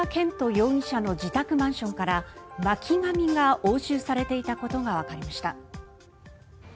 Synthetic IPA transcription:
akẽ̞nt̪o̞jo̞ːĩɕano̞d͡ʑit̪akɯ̟mãɰ̃ɕõ̞ŋkaɾamakʲʰiɡamʲiŋɡaʔoːɕɨːsaɾe̞t̪e̞it̪ako̞t̪o̞ɡaβ̞akaɾʲimaɕi̥t̪a

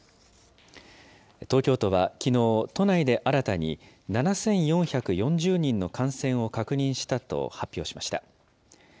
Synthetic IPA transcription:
t̪o̞ːkʲo̞ːt̪o̞βakʲino̞ːt̪o̞naid̪e̞ʔaɾat̪aɲ̟ḭ | nanasẽ̞ɰ̃jõ̞ɰ̃çakɯ̟jõ̞ɲ̟d͡ʑɨːɲ̟ĩnːo̞kʰãɰ̃sẽ̞ɰ̃o̞kakɯ̟ɲ̟ĩɰ̃ɕi̥t̪at̪o̞̰hapʲːo̞ːɕi̥maɕi̥t̪a

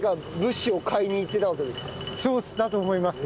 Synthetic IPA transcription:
ɡabɯ̟ɕːɨo̞kʰaiɲ̟iːt̪ːe̞t̪aβ̞ake̞d̪e̞sɨ̥kaso̞ːsd̪at̪o̞ːmo̞imasɨ

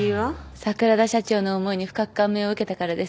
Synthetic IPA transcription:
asakɯ̟ɾad̪aɕat͡ɕo̞ːno̞ːmo̞iɲ̟iɸɯ̟̥kakɯ̟̥kãmːe̞o̞ɯ̟ke̞t̪akaɾad̪e̞s

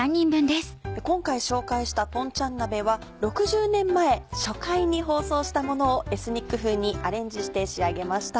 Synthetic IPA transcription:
ãɲːĩmbɯ̟̃nd̪esɨ̥ekõ̞ŋkaiɕo̞ːkaiɕi̥t̪at̪õ̞ɲt͡ɕãnːabe̞βa | ɾo̞kɯ̟ʑɨːnẽ̞mːae̞ɕokaiɲ̟iɦo̞ːso̞ːɕi̥t̪amo̞no̞ːe̞sɨɲ̟ikːɯ̟ɸɯ̟ːɲ̟iaɾẽ̞ɲ̟d͡ʑiɕi̥t̪e̞ɕiaɡe̞maɕi̥t̪a

